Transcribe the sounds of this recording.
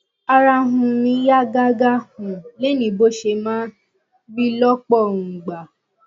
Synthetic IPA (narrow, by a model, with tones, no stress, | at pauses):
a˧ɾa˧ɦũ˧mĩ˧˦ja˦ɡa˦ɡa˦hũ˨le˦nĩ˧˨bo˦ʃe˧mãː˦ | bi˦lɔ˦k͡pɔ˦˨ũ˨ɡ͡ba˨